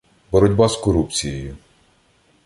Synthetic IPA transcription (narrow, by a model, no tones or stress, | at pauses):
bɔɾɔdʲbɑskɔɾupt͡sʲijɔjʊ